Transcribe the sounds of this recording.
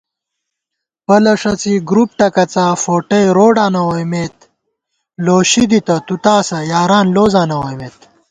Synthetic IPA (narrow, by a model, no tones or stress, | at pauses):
pɐlɐʂɐt͡siɡɾup̚ʈɐkɐt͡safoːʈɐjɾoːɖaːnɐwojmet̪ | loːɕid̪it̪ɐt̪ut̪aːsɐjaːɾaːnloːzaːnɐwɐjmeːt̪